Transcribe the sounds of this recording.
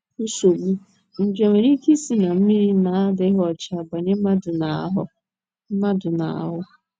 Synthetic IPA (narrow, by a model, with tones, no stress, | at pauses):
u˦so˨ɡ͡bu˦ | n̩˦˨d͡ʒe˨ŋʷe˨ɾi˦ke˦si˦na˨m̩˦mi˦ɾi˦na˨a˦dɪ˦ɦɔ˦˨t͡ʃa˦˨ba˨ɲe˦ma˦dʊ˨na̰˨˦ɦʊ˦ | m̩˦ma˦dʊ˨na˨a̰˨ɦʊ˦